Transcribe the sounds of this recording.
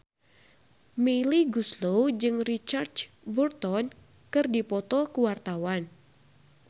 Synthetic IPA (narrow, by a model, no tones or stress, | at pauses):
meliɡuslod͡ʒɨŋrit͡ʃart͡ʃ | bərt̪ɔn | kɨrdipɔt̪ɔkuwart̪awan